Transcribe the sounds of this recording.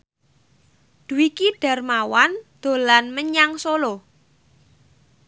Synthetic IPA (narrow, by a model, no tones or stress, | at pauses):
ɖ̪̥ṳwikiɖ̥a̤rmawand̪̥o̤lanməɲaŋsolo